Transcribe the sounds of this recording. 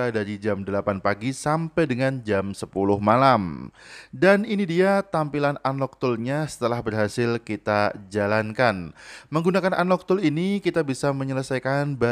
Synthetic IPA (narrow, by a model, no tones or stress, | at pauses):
adaɾid͡ʒamdəlapanpaɡisampajdəŋand͡ʒamsəpulʊhmalam | daninidiat̪ampilananɔk̚t̪ʊlɲasə̥t̪əlahbərɦasɪlkit̪ad͡ʒalankanməŋɡunakana̰nɔk̚t̪ʊlinikit̪abisaməɲələsajkanba